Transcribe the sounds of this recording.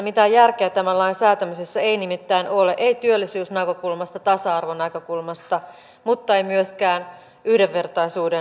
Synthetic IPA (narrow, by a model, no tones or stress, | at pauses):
mit̪æjærk̟eæt̪æmælːɑinsæːt̪æmysesːæejnimit̪ːæinʔoleʔeit̪yølːisyːsnɑkø̞kulmɑst̪ɑt̪ɑsɑɑrʋonækø̞kulmɑst̪ɑ | mut̪ːɑeimyøskæːn | yhdeʋːe̞rt̪ɑisuːde